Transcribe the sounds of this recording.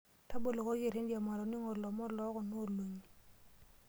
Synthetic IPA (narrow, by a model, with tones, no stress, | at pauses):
ta˦bo˨lo˨ko˦ɡe˨ɾe˦ndja˨ma˨ɾɔ˨nɪ˦ŋɔ˨lɔ˨mɔ˦lɔ˦kɔ˨no˦˨lwo˨ɲi˨